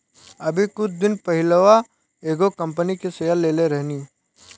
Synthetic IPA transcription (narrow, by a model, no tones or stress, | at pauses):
ɐbʱikʊd͡ʒd̪ɪnpɐɦɪləʋa | eːɡokɐ̃mpənikesejəlːeːleɾɛɦniː